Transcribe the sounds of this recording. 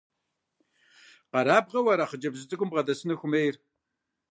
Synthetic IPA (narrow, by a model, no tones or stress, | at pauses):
qɑɾaːb̚ʁɐwɐɾaːχəd͡ʒɐbzɨt͡sʼɨkʷʼʊmbʁɐdɐsɨnɨxʷʊmejr